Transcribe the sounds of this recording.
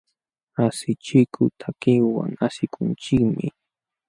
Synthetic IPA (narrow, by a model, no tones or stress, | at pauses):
asɪt͡ʃɪkʊt̪ʰakɪwa̰ŋasɪkʰʊnt͡ʃɪkmɪ